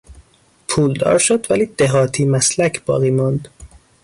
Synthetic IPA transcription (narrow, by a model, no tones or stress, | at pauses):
pʰuːld̪ɒ̰ːɾʃod̪væliːd̪̥eɦɒːt̪ʰiːmæslæcʰb̥ɒ̰ːɣiːmɑnd̪